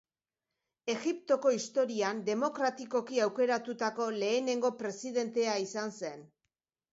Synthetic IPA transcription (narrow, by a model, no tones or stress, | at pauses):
e̞ɣipt̪o̞ko̞ist̪o̞ɾiand̪e̞mo̞kɾat̪iko̞kiawke̞ɾat̪ut̪ako̞le̞ːne̞ŋɡo̞pɾe̞siðe̞nt̪e̞aisanse̞n